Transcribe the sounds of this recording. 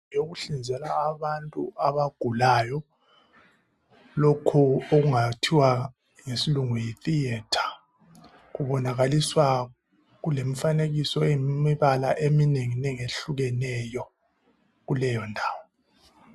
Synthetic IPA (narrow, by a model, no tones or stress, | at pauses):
joɣuɬind͡zʱɛlaːβantʼṵaβaɡ̥ʱulaːjɔ | lokʰuoɣuŋatʰiwa | ŋesiluŋujiθiɛtʰḁ | ɣuβɔnaɣaliswa | ɣulem̩faneɣisɔemiβala̰ʔemineŋinɛŋeɬuɣɛnɛjɔ | ɣulɛjɔndʱaːwɔ